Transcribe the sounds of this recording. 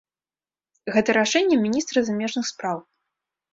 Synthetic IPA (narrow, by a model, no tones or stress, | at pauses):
ɣɛt̪ɐɾaʂɛnʲːɛmʲinʲist̪ɾɐzamʲɛʐnɨxspɾaw